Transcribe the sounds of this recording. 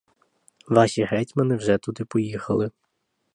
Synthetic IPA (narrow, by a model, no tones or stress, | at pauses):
ʋɑʃʲiɦɛtʲmenɪwʒɛt̪ud̪ɪpɔjixɐlˠɪ